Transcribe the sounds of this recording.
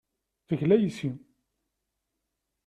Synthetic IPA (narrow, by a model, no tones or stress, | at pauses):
θəʝlæjisim